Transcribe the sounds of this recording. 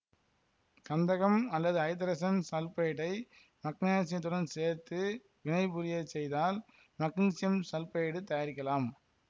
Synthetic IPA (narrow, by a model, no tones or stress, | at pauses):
kɐnd̪ɐɣɐmɐlːɐðɯɐɪt̪ːɐɾɐsɐnsɐlpɐjɐʈɐɪ | mɐknaːsɪɐt̪ːɯɾɐnseːɾt̪ɯ | ʋɪɳɐɪpʊɾɪjɐsɛjðaːl | mɐknsɪjɐmsɐlpɐjɽɯt̪ɐjaɾɪkːɐlaːm